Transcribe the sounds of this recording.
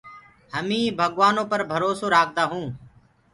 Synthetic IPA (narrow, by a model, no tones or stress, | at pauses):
həmĩːbʱəɠʋaːnõːpəɾbʱəɾoːsoːɾaːk̚ʰd̪aːɦũː